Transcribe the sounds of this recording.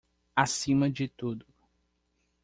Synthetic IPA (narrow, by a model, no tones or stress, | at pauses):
asĩmɐd͡ʒɪt̪ud̪ʊ